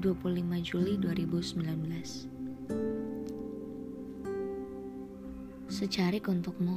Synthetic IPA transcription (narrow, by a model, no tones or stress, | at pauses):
duapullimad͡ʒuliduaɾibusəmbilanbəlas | sət͡ʃaɾɪkunt̪ʊk̚mo